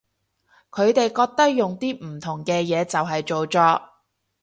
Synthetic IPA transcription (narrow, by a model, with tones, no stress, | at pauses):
kʰɵ˨˧ɥt̪e˨jkɔː˧k̚t̪ɐ˥k̚jʊ˨ŋt̪iː˥m̩˨˩t̪ʰʊ˨˩ŋkɛː˧jɛː˨˧t͡sɐ˨wɦɐ˨jt͡ʃo˨wt͡ʃɔː˧